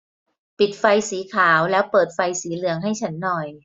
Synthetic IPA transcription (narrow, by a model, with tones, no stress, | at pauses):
pi˨˩t̪̚fa˧jsiː˩˦kʰaː˩˦wlɛː˦˥wpɤː˨˩t̪̚fa˧jsiː˩˦lɯ˩˦əŋɦa˥˩jt͡ɕʰa˦˥nːɔ˨˩j